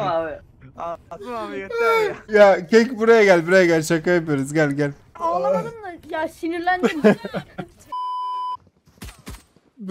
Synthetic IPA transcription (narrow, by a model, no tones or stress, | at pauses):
jacʰecbuɾajaɟælʲbiɾajaɟælʲt͡ʃʰakajapijoɾuzɟælʲɟælʲ | aɯnd̪ˠajasiniɾlʲænd͡ʒi | b